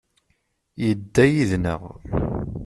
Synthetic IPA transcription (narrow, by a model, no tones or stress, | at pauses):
jəd̪ːæjiðnə̰ʁ